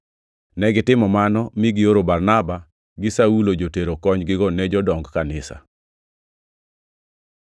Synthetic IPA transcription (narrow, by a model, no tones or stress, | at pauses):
nɛɡɪtɪmɔmanɔmiɡɪjoɾobarnaba | ɡɪsaulod͡ʒoteɾokɔɲɡɪɡɔnɛd͡ʒɔdɔŋɡkanɪsa̰